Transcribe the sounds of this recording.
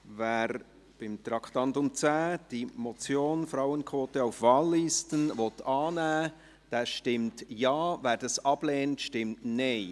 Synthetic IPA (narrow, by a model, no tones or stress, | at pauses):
vɛːɾ | b̥ɪmt̪ɾɑkʰtɑntʊmt͡sɛːd̥imɔt͡sjoːnfraʊənkʰvoːtəaʊfvɑːlːistənvɔtʰɑːnɛː | d̥ɛːʃtɪmtjɑːvɛːɾd̥ɑsɑb̥leːntʃtɪmtne